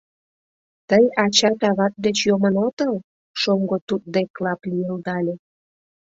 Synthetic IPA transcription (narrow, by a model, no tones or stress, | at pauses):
t̪əjɑt͡ɕɑt̪ɑβɑt̪̚d̪et͡ɕjomənot̪əl | ʃoŋɡot̪ut̪̚d̪eklɑplijəld̪ɑlʲe